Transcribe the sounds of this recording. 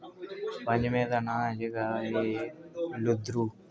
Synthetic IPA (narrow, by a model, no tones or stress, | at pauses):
pəɲd͡ʒmẽːt̪aːnãːd͡ʒeɡaːɦeː | lʊd̪ɾuː